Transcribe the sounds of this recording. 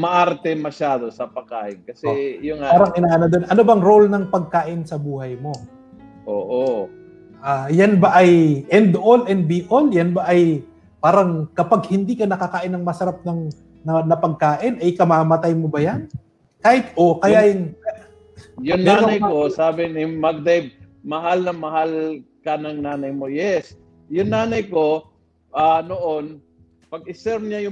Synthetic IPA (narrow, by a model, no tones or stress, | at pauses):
mɐʔaɾt̪ɛmɐʃaːd̪osɐpɐɡ̚ka̰ːʔɪnkɐsɛjʊapaːɾɐŋʔɪnaːʔɐnɐd̪onʔɐnobɐŋɾolnɐŋpɐɡ̚kaːʔɪnsɐbuːhɐjmo̞ | ʔoːʔo | ʔajanbaʔɐjʔɛnd̪olɛnd̪̚biʔoljanbaʔɐj | paːɾɐŋkɐpaɡ̚hɪnd̪iːkɐnɐkɐkaːʔɪnːɐŋmɐsɐɾap̚nɐŋ | nɐnɐpɐɡ̚kaːʔɪnʔɐjkɐmaːmɐt̪ajmobɐjan | kaːhɪt̪ʔo̞kɐjaːjʊŋ | jʊŋnaːnɾoɐjkosaːbɪnɪmɐɡ̚d̪ɛjb̚ | mɐɦalnɐŋmɐhalkɐnɐŋnaːnɐjmojɛs | jʊŋnaːnɐjko | ʔanoʔon | pɐɡ̚ɪsɛɾmɲajʊ